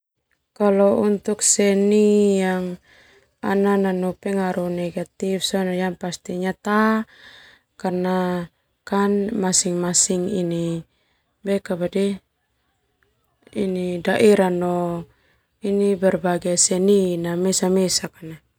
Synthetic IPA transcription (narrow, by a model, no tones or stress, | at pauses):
kalɔunt̪uksɛnijaŋ | a̰nananupɛŋaɾunɛɡat̪ifsɔnajaŋpast̪iɲat̪a | karna | kanmasiŋmasiŋini | bɛkabadɛ | inidaʔiɾanɔ | inibɛrbaɡasɛninamɛsamɛsakana